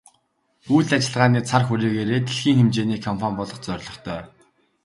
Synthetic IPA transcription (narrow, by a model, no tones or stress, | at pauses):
ujɮat͡ɕɪ̆ɮʁaːniːt͡sʰarxuɾiːɣeːɾeːt̪ʰeɮxiːŋxemt͡ɕeːniːkʰɔmpʰampɔɮɞ̆χt͡sœrʲɮɞ̆χt̪ʰœː